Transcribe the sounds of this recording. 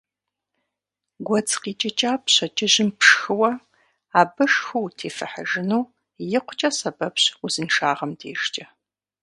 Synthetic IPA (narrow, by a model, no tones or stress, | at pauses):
ɡʷɔt͡sʰʼqiːt͡ʃʼɐt͡ʃʼaːpɕɐt͡ʃʼɪʑɪmpʰʂxɨwɐ | aːbɐʂxuwtʰeːfɨ̰ħə̰ʒɪnuː | jɪqʷʊ̥t͡ʃʼɐsɐbɐpɕuzɨnʂaːʁɐmdʰeːʃt͡ʃʼɐ